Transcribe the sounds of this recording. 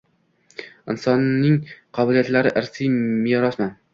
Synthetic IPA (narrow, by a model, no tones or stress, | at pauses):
ɪnsɒnːɪŋqʰɒbɪlijat̪laɾɪʔɪɾsijmɪjɒɾɒsman